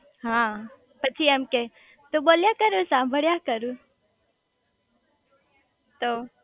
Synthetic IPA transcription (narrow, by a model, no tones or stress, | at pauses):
ɦã | pət͡ʃʰiəmke | t̪oɓoːljakəɾusãːmbʱəɽjakəɾu | t̪oː